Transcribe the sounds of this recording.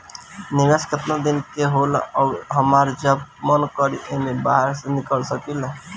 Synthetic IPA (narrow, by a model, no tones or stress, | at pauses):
nɪʋeskət̪nad̪inkeɦolɔɦəmaɾd͡ʒəbmənkəɾḭʔemebaɦəɾsenikəlsəkil